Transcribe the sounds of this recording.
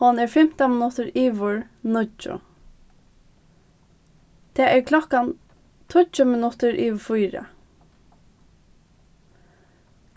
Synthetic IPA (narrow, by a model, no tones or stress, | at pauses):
hɔnɛɹfɛm̥t̪amɪnʊt̪əɹiːʋʊɹ | nʊt͡ʃʊ̰ | t̪ʰeːʔɛɹkʰlɔkan | t̪ʰʊt͡ʃʊmɪnʊt̪əɹʔiːʋfujɾə̰